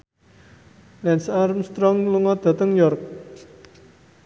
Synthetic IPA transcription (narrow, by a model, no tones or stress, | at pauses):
lɛnsaɾmst̪ɾɔŋluŋɔd̪̥ä̤t̪əŋjɔrk̚